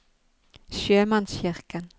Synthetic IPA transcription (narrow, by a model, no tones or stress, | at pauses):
ʃøːmansɕɪɾkən